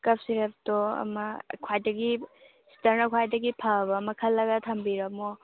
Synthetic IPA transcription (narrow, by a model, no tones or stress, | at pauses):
kɐpsiɾep̚toɐ̰mɐkʰwajdɐɡi | si̥tɐɾnɐkʰwajdɐɡipʰabɐːmɐkʰɐlːɐɡɐtʰɐmbiɾɐmo